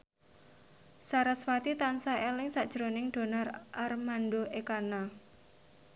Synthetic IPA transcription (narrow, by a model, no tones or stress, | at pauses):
saɾaswat̪it̪ansaʔelɪŋsaʔd̥ʒ̥ɾonɪŋɖ̪̥o̤nɔrʔarmanɖoekana